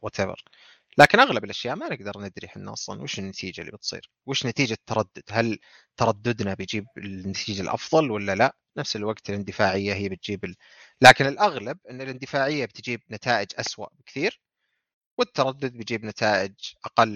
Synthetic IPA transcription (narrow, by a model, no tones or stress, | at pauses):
wat̪abɑ̰ɾ | laːkɪnʔaɣlabɪlʔaʃjaːʔmanɪɡd̪ɑɾˤnɪd̪ɾɪħɪnːɑ̰sˤɑ̰nwɪːʃɪnːat̪ʰiːd͡ʒalːḭbɪt̪sˤḭːɾ | wɪːʃnat̪iːd͡ʒat̪ːɑɾˤɑd̪ːʊd̪hal | t̪ɑɾˤɑd̪ːʊd̪nabɪjd͡ʒiːbɪnːat̪ʰiːd͡ʒalʔɑ̰fðˤɑlwalːalaʔ | nafsɪlwaɡt̪ɪlɪnd̪ɪfaːʕɪjːaɦɪːbɪt̪̚d͡ʒiːbɪ | laːkɪnɪlʔaɣlab̚ʔɪnːɪlɪnd̪ɪfaːʕɪjːabɪt̪d͡ʒiːb̚nat̪ʰaːʔɪd͡ʒʔaswa̰ʔbɪkθiːɾ | wɪt̪ːɑɾˤɑd̪ːʊd̪̚bɪjd͡ʒiːbnat̪ʰaːʔɪd͡ʒʔɑqɑlː